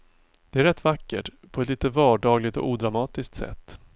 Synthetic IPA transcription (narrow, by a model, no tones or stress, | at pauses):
d̪̥ɛæɾɛt̪ːvakːə̰ʈpʰɔɛt̪liːt̪əvɑːɖɑːɡlɪt̪ɔ̰uːd̪ɾamɑːt̪ɪsk̚t̪sɛ̰t̪ː